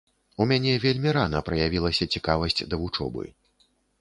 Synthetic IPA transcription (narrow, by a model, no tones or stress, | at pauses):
umʲanʲɛvʲelʲmʲiɾanɐpɾɐjavʲilˠɐsʲɐt͡sʲikavɐsʲt͡sʲd̪ɐvut͡ʂɔ̰bɨ̰j